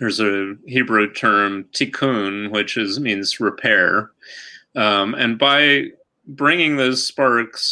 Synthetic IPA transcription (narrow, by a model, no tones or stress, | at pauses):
ðə˞zɨhibɹuʊtʰɜ̃˞mtʰɨkʰũnwɨt͡ʃɪzmĩnzɹɨpʰɛɹ | ʌ̃mɨ̰̃nbaɪ | bɹɪ̃ŋɪ̃ŋðoʊz̥spɑɹks